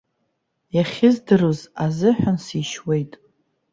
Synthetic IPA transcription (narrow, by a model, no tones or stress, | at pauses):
jaχʲɪzdɨrozazɨħʷᶣansiʃwe̞jtʼ